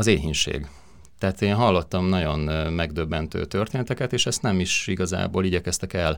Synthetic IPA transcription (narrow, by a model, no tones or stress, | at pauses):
ɒzeːɦiɲʃḛːɡ | t̪ɛɦat̪eːnɦɒlːo̞t̪ːɒmnɒɟo̞nmɛɡd̪øbːɛnt̪ø̰ːt̪ø̞rt̪eːnɛt̪ɛkɛt̪eːʃɛst̪nɛmiʃiɡɒza̰ːboːliɟɛkɛst̪ɛkɛl